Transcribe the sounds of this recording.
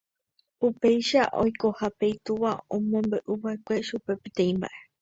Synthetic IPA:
pupe̞jʃaʔo̞̰jko̞hape̞jt̪uʋaõ̰mõ̞mbeʔuβaekʷe̞ʃupe̞pet̪ẽ̞ĩmba̰ʔe̞

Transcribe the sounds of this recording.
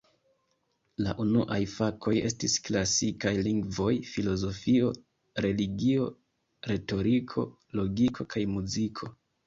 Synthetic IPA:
la̰ʔunuʔajfakʰo̞je̞stisklasikajliŋɡvo̞jfilo̞zo̞fio̞ | ɾe̞liɡio̞ | ɾe̞to̞ɾikʰo̞̰ | lo̞ɡikʰo̞kʰajmuzikʰo̞

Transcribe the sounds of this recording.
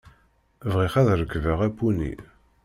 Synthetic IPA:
vʁiχæðɾəkːvəʁæpːunḭ

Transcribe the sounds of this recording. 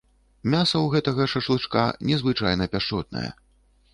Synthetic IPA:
mʲasɐwɣɛt̪ɐɣɐʂɐʂlˠɨʂka̰nʲɛzvɨt͡ʂajnɐpʲaʂt͡ʂɔt̪̚nɐ̰jɐ̰

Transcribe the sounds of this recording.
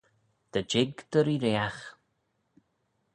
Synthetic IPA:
d̪̥əd͡ʒɪɡd̪̥əɾiɾeax

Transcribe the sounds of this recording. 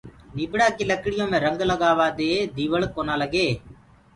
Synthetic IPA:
niːbɪɽaːkiləkɪɽɪjõːmẽːɾəŋɡələɡaːʋaːd̪eːd̪iːʋəɭkoːnaːləɡeː

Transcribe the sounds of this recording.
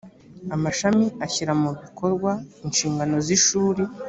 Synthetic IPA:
amaʃamiaçiɾamuβikʰo̞ɾɡwainʃiːŋɡano̞ziʃuːɾe

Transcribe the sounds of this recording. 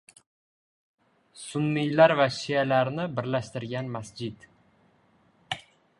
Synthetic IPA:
sʊnːijlaɾvaʃijalaɾnɪbɪɾlaʃt̪ɪɾɡʲanmasd͡ʒɪd̪

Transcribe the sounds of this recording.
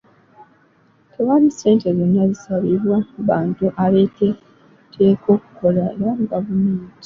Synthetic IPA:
tʰeβanise̞ːnte̞zonːazisaβiɾwaβaːntuʔale̞te̞ | tʰe̞ːko̞ːku̥ko̞laeɾamɡavumiːnti̥

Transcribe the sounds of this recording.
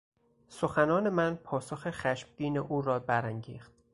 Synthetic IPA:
so̞xænɒːne̞mænpʰɒːsoxexæʃmd̪̥iːneʔuːɾɒːbæɾæŋɟiːxt̪̚

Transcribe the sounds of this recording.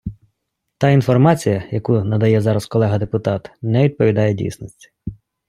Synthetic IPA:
t̪ɑinfɔrmɑt͡sʲijɐjɐkunɐd̪ɐjɛzɑɾɐskɔlˠɛɦɐd̪epʊt̪ɑt̪nɛʋʲid̪̚pɔʋʲid̪ɑjɛdʲḭjsnɔsʲtʲ

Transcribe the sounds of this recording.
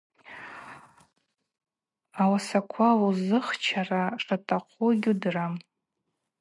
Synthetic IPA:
awasakʷʰawuzɨχt͡ʃʰaraʂʼatʼaqʷʼʰuɡʲudram

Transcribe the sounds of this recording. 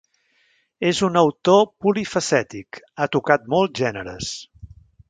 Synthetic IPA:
ezunəwt̪opulifəsɛt̪ik | at̪ukat̪̚molˠzʒɛnəɾə̰s

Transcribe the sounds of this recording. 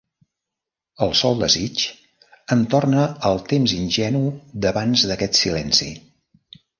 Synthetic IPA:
əlˠsɔlˠd̪əzit͡ʃ | ənt̪ornəːlˠt̪emzinʲʒɛnud̪əβanzðəkɛt̪silɛnsḭ

